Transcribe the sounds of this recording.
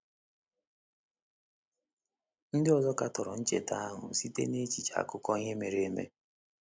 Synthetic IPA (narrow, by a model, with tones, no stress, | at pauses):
n̩˦dɪ˦ɔ˨zɔ˦ka˦tɔ˨ɾɔ˨n̩˦t͡ʃḛ˨ta˦a˦ɦʊ̰˨si˦tḛ˦ne˦t͡ʃi˨t͡ʃa̰˨˦˨kʊ˦kɔ˦ɲe˦me˨ɾe˦e˦mḛ˦